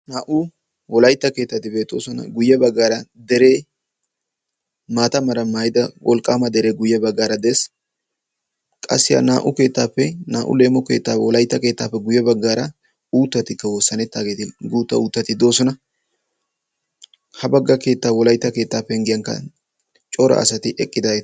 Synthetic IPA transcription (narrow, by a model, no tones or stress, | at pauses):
naːʔʊ | wɔlɐjt̪ːɐke̞ːt̪ːɐt̪ɪbe̞ːt̪ʼːo̞̰ːsɔnɐ̰ɡʊjːɐbɐɡːaːɾɐd̪ɛɾe̞ː | maːt̪ɐmɐɾɐmaːjɪd̪ɐwʔɔlkʼːaːmɐd̪ɛɾe̞ːɡʊjːɐbɐɡːaːɾɐd̪eːs | kʼɐ̰sːɪja̰ːnaːʔʊke̞ːt̪ːaːpːɛnaːʔʊ̰le̞ːmːɔke̞̰ːt̪ːaːwɔlɐjt̪ːɐke̞ːt̪ːa̰ːpːɛɡʊjːɐbɐɡːaːɾɐ | uːt̪ːɐt̪ɪkːɐwoːsːɐnɛt̪ːaːɡe̞ːt̪ɪɡuːt̪ːɐ̰uːt̪ːɐt̪ɪd̪o̞ːsɔnɐ | hɐbɐɡːɐke̞ːt̪ːaːwɔlɐjt̪ːɐke̞ːt̪ːaːpːɛŋɡɪjɐŋkːɐ̰ | t͡ʃʼɔɾɐ̰ʔɐ̰sɐt̪ɪʔɛkʼːɪd̪ɐe